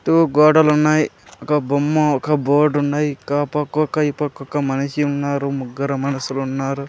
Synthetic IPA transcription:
ʈuɡɔːɽɐlunːaːji | ɔkɐbumːɐɔkɐboːɾɖunːaːjikaːpɐkːɔkːɐjipɐkːɔkːɐmɐniʃiunːaːɾumuɡːɐɾɐmɐnɐsulunːaːɾu

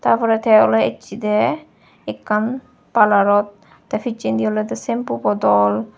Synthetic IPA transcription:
t̪aɾfɔɾɛt̪ʰɛɔlɔḛt͡ʃːid̪ɛ | ekːan | palaɾɔt̪̚ː | afit͡ʃːind̪iɔlɛd̪ɛsempupɔd̪ɔl

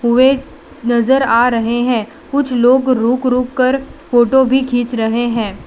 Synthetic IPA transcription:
ɦʊe | nɐzəɾaːɾɐɦeɦɛ̃ː | kʊt͡ʃʰloːɡɾuːkɾuːkːɐɾfoːʈobʱikʰĩːt͡ʃɾɐɦeɦɛ̃ː

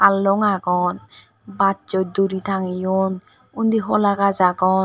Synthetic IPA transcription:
alːɔŋaɡɔn | batt͡ʃɔd̪uɾit̪ʰaŋijɔn | und̪iɦɔlakazaɡɔ

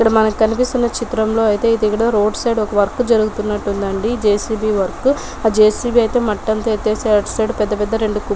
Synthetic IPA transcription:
ikːɐɽɐmɐnɐkkɐnipist̪unːɐt͡ʃit̪ɾɐmlo̞ːɐjit̪e̞ːid̪ikːɐɽɐɾo̞ːɖsɐjɖɔkɐʋɐɾkud͡ʒɐɾuɡut̪unːɐʈːund̪ɐɳɖid͡ʒeːsiːbiːʋɐɾku | aːd͡ʒeːsiːbiːɐjt̪e̞ːmɐʈːɐnt̪eːt̪eːseɐɖsɐjɖpɛd̪ːɐpɛd̪ːɐɾe̞ɳɖuku

